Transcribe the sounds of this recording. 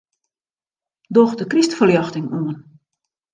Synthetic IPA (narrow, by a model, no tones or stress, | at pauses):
dɔxdəkristfəljɑxtɪŋuən